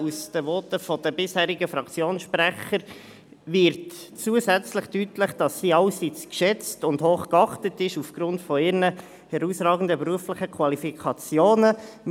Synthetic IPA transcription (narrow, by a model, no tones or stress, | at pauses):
usd̥əʋɔtəfɔd̥əbɪshæːɾiɡəfɾɑkt͡sjoːnsʃpræχəɾ | vɪɾt | t͡suːəsæt͡sləχtytləχd̥ɑsːiːɑlsit͡skʃɛt͡stʊndhoːχkɑχtətɪʃufɡ̥ɾʊntfɔɪɾnə | hɛɾusrɑːɡən̩dəbɾuəfləχəkʰwɑlifikʰɑt͡sjoːnə